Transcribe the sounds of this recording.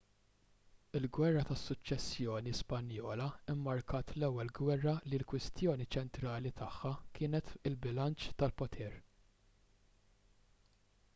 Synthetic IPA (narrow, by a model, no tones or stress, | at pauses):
ɪlɡwɛrːɐt̪ɐsːʊt͡ʃːɛsːjɔːnispɐnjɔːlɐɪmːɐɾkʰɐːt̪lɛwːɛlɡwɛrːɐlilkwɪst̪jɔːnit͡ʃɛnt̪ɾɐːlit̪ɐħːɐkʰɪːnɛt̪ɪlbɪlɐnt͡ʃt̪ɐlpɔt̪ʰɛːɾ